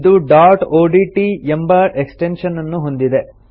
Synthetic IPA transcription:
d̪uɖaːɾʈoːɖiʈiembɐeksʈenʂɐnːɐnːuɦo̞nd̪id̪e̞

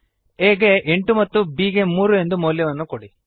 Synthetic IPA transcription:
eːɡe̞ʔeɳʈumɐt̪ːubiːɡe̞muːɾue̞nd̪umoːljɐʋɐnːukoɽi

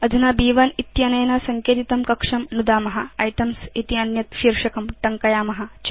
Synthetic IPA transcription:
ɐd̪ʱunaːbiːʋɐnit̪jɐnɐjɐnasɐŋkjeːt̪it̪ɐmkɐkʂɐmnud̪aːmɐɦɐɐjʈɐmsit̪iɐnjɐt̪̚ʃiːɾʂɐkɐmʈɐŋkɐjaːmɐɦɐt͡ʃ

